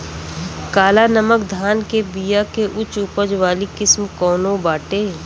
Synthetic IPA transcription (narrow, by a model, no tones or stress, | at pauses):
kaːlanəməkd̪ʱaːnkebiːjakeʔʊt͡ʃʊpəd͡ʒʋaːlikɪsmkɔːnõbaːʈeː